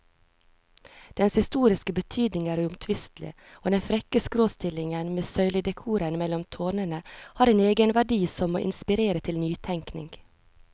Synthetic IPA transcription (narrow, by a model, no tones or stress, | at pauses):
d̪̥ɛnshɪst̪uːɾɪskəbət̪ʰyːd̪nɪŋæːɾʉʊmt̪ʰʋɪst̪lɪ̰ | oːd̪ɛnfɾɛkəskɾoːst̪ɪlɪŋənmeːsœʏlɪd̪ɛkʰuːɾənmɛlɔmt̪ʰoːɳənəhɑːɾeːneːɡənʋæɖiːsɔmo̰ːʔɪ̰nspɪɾeːɾət̪ʰɪlnyːt̪ʰɛŋknɪ̰ŋɡ